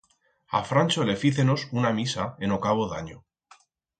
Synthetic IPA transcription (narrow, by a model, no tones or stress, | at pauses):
a̰fɾant͡ʃole̞fiθe̞no̞sunamisae̞nokaβoða̰ɲo